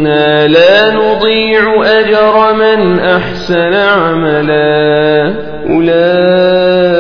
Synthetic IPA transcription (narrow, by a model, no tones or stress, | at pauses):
naːlaːnʊd̪ˤiːʕʊʔad͡ʒɑɾˤɑmɪnʔaħsanaʕamala | ʔlaː